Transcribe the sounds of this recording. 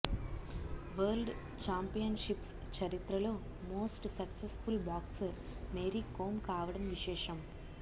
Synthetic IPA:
ʋɐːlɖ | t͡ʃaːmpijɐnʃips | t͡ʃɐɾit̪ɾɐlo̞ː | mo̞ːsʈsɐksesfulbaːksɾ | meːɾikoːmkaːʋɐɽɐmʋiʃɛːʂɐm

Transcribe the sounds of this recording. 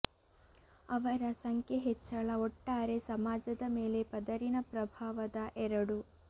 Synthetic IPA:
ɐʋɐɾɐsɐŋkʰjeɦet͡ʃːɐɭɐoʈːaːɾe̞sɐmaːd͡ʒɐd̪ɐme̞ːlepɐd̪ɐɾinɐpɾɐbʱaːʋɐd̪ɐʔɛɾɐɽu

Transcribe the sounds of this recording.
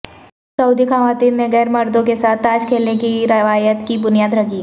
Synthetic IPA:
sɐʊd̪ikʰaːʋaːt̪inneɡɛːɾmɐɾd̪õkesaːt̪ʰaːd͡ʒkʰeːlnekiɾɐʋaːjət̪kibʊnijaːd̪ɾɐɡi

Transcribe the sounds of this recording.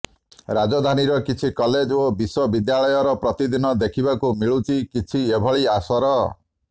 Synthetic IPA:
ɾad͡ʒɔd̪ʱaniɾɔkit͡ʃʰikɔled͡ʒobiswɔbid̪jaɭɔjɔɾɔpɾɔt̪id̪inɔd̪ekʰibakumiɭut͡ʃikit͡ʃʰiebʱɔɭiasɔɾɔ

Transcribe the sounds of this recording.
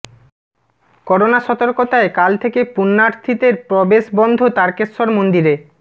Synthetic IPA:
kɔɾonaʃɔt̪oɾkot̪aekalt̪ʰekepunːaɾt̪ʰit̪eɾpɾɔbeʃbɔnd̪ʱot̪aɾkesoɾmond̪iɾe

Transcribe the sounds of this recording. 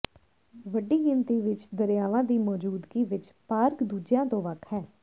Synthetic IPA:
ʋəɖiːɡɪnt̪iːʋɪt͡ʃd̪əɾjaːʋãːd̪iːmɔːd͡ʒuːd̪ɡiːʋɪt͡ʃpaːɾkd̪uːd͡ʒjãːt̪õːʋəkʰɦɛː

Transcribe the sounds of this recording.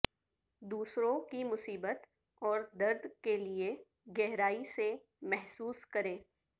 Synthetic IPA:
d̪uːsɾõkimʊsiːbət̪ | ɔːɾd̪ɐɾd̪kelie | ɡɛɦɾaːise | mɛɦsuːskɐɾẽː

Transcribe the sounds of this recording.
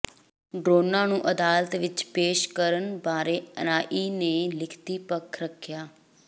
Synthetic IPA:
ɖɾoːnãːnũːʔəd̪aːlət̪ʋɪt͡ʃpeːʃkəɾənbaːɾeːə̰naːʔiːneːlɪkʰt̪iːpəkʰɾəkʰjaː

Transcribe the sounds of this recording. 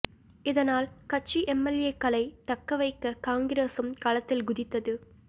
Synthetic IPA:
ɪðɐnaːlkɐt͡ʃːiʔɛmːɐleːkːɐlɐɪt̪ɐkːɐʋɐɪkːɐkaːŋɡɪɾeːsɯmkaːlɐt̪ːɪlɡʊðɪt̪ːɐðɯ

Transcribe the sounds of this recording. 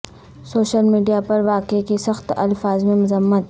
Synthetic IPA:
soːɕəlmiːɖijapɐɾʋakekisəxt̪ɐ̰lfaːzmẽmʊzəmːət̪

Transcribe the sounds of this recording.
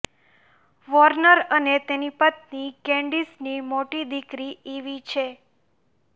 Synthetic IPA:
ʋɔɾnəɾənet̪enipət̪̚nikɛ̃ɳɖisnimoʈid̪ikɾieʋit͡ʃʰe

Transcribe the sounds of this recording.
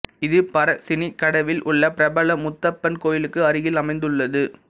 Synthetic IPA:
ɪðɯpɐɾɐsɪnikːɐɽɐʋɪlʔʊɭːɐpɪɾɐbɐlɐmʊt̪ːɐpːɐnkoːjɪlɯkːɯɐɾɯɣɪlɐmɐɪnd̪ɯɭːɐðɯ

